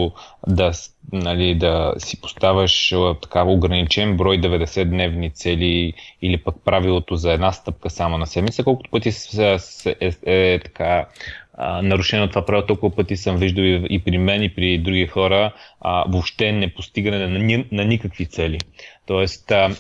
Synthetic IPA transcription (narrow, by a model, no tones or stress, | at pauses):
d̪ɐnɐlid̪ɐsi̥po̥st̪avəʃt̪ɐ̥kaoɡɾɐnit͡ʃɛnbɾɔjd̪ɛvɛd̪ɛsɛd̪nɛvnit̪sɛliːlipək̚pɾavilˠot̪ozɐɛd̪nast̪ɤp̚kəsamonɐsɛmit̪səkɔlˠkʊt̪o̥pɤt̪i | ɛɛt̪ɐ̥kʰa | nɐɾuʃɛnot̪ovapɾavilˠt̪ɔlˠkuɐpɤt̪isəmviʒd̪əwiipɾimɛnipɾid̪ɾuɡixɔɾəvopʃt̪ɛnɛpost̪iɡənɛnnɐnikəkvit̪sɛlit̪ɔɛst̪